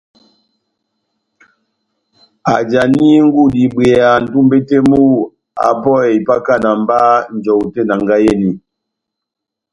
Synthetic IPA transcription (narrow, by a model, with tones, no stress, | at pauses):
a˨d͡ʒa˨ni˦ŋ̩˦ɡu˦˨di˨be˨a˨n̩˨tu˦m˦be˦te˦mu˦˨ | a̰˨pɔ˦˨e˨i˨pa˦ka˦˨na˨m˦ba˦n˨d͡ʒɔ˨te˦˨na˨ŋɡa˦je˦˨ni˨